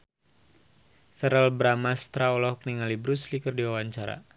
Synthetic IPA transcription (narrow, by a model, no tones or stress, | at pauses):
fɛɾɛlbɾamast̪ɾaɔlɔhk̚niŋalibɾuslikərdiwawaɲt͡ʃaɾa̰